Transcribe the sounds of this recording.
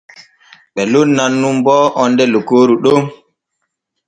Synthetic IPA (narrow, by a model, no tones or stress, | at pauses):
ɓɛlonnanːumbɔːʔɔndɛlokoːɾuɗom